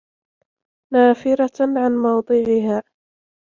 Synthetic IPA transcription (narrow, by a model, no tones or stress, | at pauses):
naːfɪɾɑʕanmɑwd̪ˤɨːʕɪɦaː